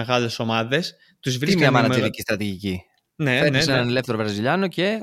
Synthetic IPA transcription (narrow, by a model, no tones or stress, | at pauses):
eɣɐle̞so̞mɐðe̞s | t̪uzvɾiimiɲɐmɐnɐt̪iðicist̪ɾɐt̪iʝici | nefeisseenɐnele̞fθeɾovɾɐziʎɐno̞ce̞